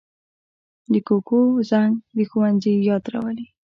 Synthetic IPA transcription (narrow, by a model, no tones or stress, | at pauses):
d̪əkokozaŋɡd̪əxuwanzəjɑt̪ɾa̰wəli